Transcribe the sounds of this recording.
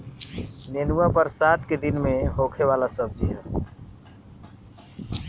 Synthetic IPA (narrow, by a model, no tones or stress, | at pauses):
nenuapəɾsat̪ʰked̪inmeɦokʰeʋalasəb̚ʱd͡ʒiɦɛ